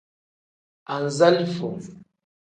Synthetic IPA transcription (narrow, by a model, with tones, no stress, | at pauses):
a˨n˨za˦li˦fɔ˨